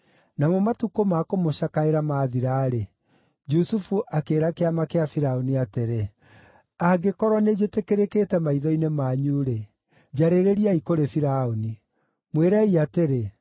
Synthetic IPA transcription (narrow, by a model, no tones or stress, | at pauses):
namomatukomakomoɕakaeɾamaːðiɾaːɾe | d͡ʒusufuʔakeːɾakeamakeafiɾaoniateɾe | aɡekɔɾwɔned͡ʑetekeɾekeːtɛmaiðɔinemaːɲuːɾe | d͡ʑaɾeɾeɾiaikoɾefiɾaoni | mweɾaiateɾe